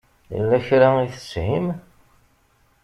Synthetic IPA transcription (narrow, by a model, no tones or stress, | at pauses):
jə̰lːæçɾæiθə̥shim